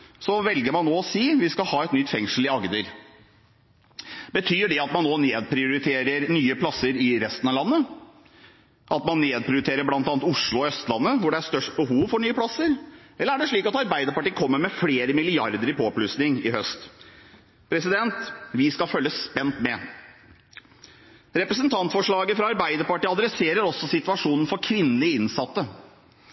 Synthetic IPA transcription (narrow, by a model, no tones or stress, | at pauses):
sɔʋɛlɡəɾmɑnnoːɔsiːʋɪskɑlhɑːɛt̪nʏt̪ːfɛŋʂəl̩ɪɑɡd̪əɾ | bət̪ʰyːɖɛɑt̪mɑnːoːneːd̪̚pʰɾɪʊɾɪt̪ʰeːɾəɾnyːəpʰlɑsːəɾɪɾɛst̪ənɑʋlɑnːə | ʔɑt̪mɑnːeːd̪̚pʰɾɪʊɾɪt̪eːɾəɾblɑnt̪ɑːnt̪ʊʂɭʊɔœst̪lɑnːəʋʊɖɛæʂt̪œʂʈ̚bəɦuːʋfɔɳyːəpʰlɑsːəɾɛlːəɾæɖɛʂɭiːkɑt̪ɑɾbæɪd̪əɾpɑʈiːəkʰɔmːəɾmɛfleːɾəmɪlɪɑɾd̪əɾɪpʰoːplʉːsnɪŋɪhœst̪ | pʰɾɛsɪd̪ɛnt̪ʋɪskɑlfœlːəsːpɛnt̪mɛ | ɾɛpɾəsənt̪ʰɑnt̪fɔʂɭɑːɡəfɾɑɑɾbæɪd̪əɾpɑʈiːɑd̪ɾɛseːɾəɾɔsːɔsɪt̪ʉʋɑʂuːnn̩fɔɾkʰʋɪnːlɪəɪnsɑt̪ːə